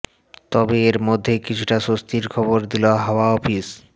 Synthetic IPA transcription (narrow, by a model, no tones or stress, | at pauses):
t̪ɔbeeɾmod̪ʱːekit͡ɕʰuʈaʃost̪ʰiɾkʰɔboɾd̪iloɦɔoaɔfis